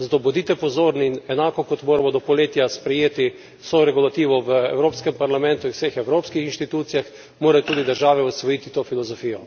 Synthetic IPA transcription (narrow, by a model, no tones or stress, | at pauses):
zat̪obɔd̪it̪ɛpɔzoːɾninɛnaːkɔkɔt̪moːɾamɔd̪ɔpɔleːt̪jaspɾɛjeːt̪i | soɾɛɡulat̪iːʋɔʋəɛ̰wɾoːpskɛmpaɾlamɛ̃nt̪ʊiwsexɛwɾoːpskixinʃt̪it̪uːt̪sijax | moːɾajot̪uːd̪id̪əɾʒaːʋɛusʋɔjit̪it̪oːfilɔzɔfiːjɔ